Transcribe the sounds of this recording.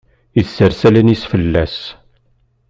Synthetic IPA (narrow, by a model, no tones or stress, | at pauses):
iðsəɾsælænisfəlːæs